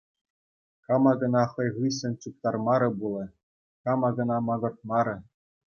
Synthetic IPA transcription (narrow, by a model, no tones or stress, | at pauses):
kɑmɑɡɤ̆nɑχɤ̆jʁɯs̬ʲɘ̆nʲt͡ɕup̚t̪ɑrmɑɾɤ̆bulˠɤ̆ | kɑmɑɡɤ̆nɑmɑɡɤ̆rt̪̚mɑɾʲɘ̆